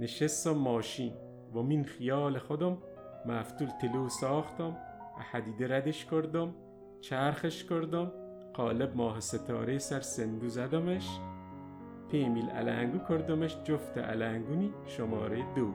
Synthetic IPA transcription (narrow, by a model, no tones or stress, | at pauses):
neʃest̪ɔmːɒːʃin | bɔminxijɑːlexod̪omː | æft̪ult̪ʰelosɑːχt̪ɔm | æ̰ħæd̪iːd̪eɾæd̪eʃkoɾd̪om | t͡ʃʰæɾxeʃkoɾd̪om | qɒːleb̚mɒːɦeset̪ʰɒ̰ːɾesæɾsend̪uzæd̪omeʃ | pʰeːmilæ̰læ̰ŋɡukʰoɾd̪omeʃd͡ʒoft̪ʰḛʔæ̰læŋɡuniʃomɒ̰ːɾejd̪oː